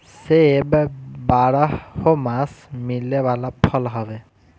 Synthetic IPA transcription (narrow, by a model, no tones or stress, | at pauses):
sebɛbaɹahomasmilɛbalapʰɔlɦɔbɛ